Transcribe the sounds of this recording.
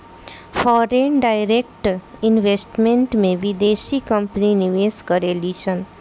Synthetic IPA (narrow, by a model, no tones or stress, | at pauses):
fɔːɾenɖaɪɾek̚ʈɪnʋesʈmẽɳʈmẽʋɪd̪eːʃikə̃mpninɪʋeːskəɾeliːʃən